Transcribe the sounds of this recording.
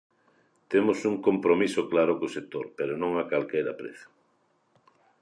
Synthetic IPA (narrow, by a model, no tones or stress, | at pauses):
t̪emʊsuŋkompɾomisoklaɾʊkosek̚t̪oɾpeɾonõŋakalkejɾapɾḛθo̥